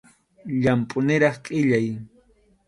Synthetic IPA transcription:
ʎampʼʊnɪɾɑχqʼɪʎaj

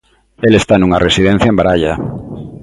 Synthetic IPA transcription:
elest̪anũŋaresiðẽn̟θjaẽmbaɾaʎa

